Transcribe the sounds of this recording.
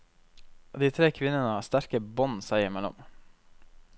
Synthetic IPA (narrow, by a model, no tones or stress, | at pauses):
d̪iːt̪ʰɾeːkʰʋɪnənəhɑːst̪æɾkəbɔnsæɪəɾmɛlɔ̰m